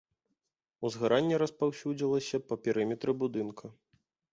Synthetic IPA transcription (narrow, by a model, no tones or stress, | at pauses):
uzɣaɾʔanʲːɛɾɐspawsʲud͡zʲilˠɐsʲɐpɐpʲɛɾɨmʲɛt̪ɾɨbud̪ɨnkʰɐ